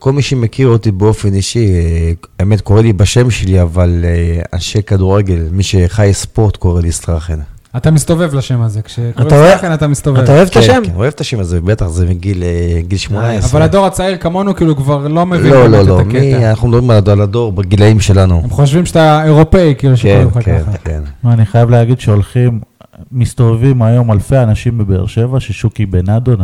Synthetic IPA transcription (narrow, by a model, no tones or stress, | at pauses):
ko̞lmiʃemekʰiʁot̪ibeo̞fe̞niʃibeme̞t̪ko̞ʁelibaʃe̞mʃe̞liavalea̰nʃekad̪uʁeɡe̞lmiʃeχajspo̞ʁt̪ko̞ʁelisʁaχen | at̪amist̪o̞vevlaʃemazekʃekoataoeenat̪amist̪ovaetaoevt̪aʃemkenoe̞vt̪aʃemazebet̪aχzemiɡileɡilʃmonaesaʁvalad̪o̞ʁat͡saiʁkamo̞nukiːlukvaʁlo̞mevilololoaamkeianaχnumd̪abʁimaladalad̪o̞ʁbaɡilaimʃe̞lanuemχoʃ̬vimʃataeʁo̞peikiːluʃkeeakenakḛnmaniχajavleaɡid̪ʃeolχimː | ist̪o̞vevimajo̞malfeanaʃimbebḛʁʃe̞vaʃeʃukibenad̪on